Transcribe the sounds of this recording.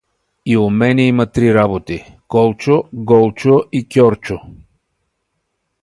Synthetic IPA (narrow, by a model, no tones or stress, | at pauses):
iomɛnɛimət̪ɾiɾabot̪i | kɔlˠt͡ʃoɡɔlˠt͡ʃoʔikʲɔɾt͡ʃo